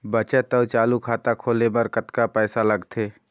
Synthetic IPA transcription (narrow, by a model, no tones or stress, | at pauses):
bət͡ʃət̪əwt͡ʃaːlukʰaːt̪akʰoːlebəɾkət̪kapɛːsaləɡt̪ʰeː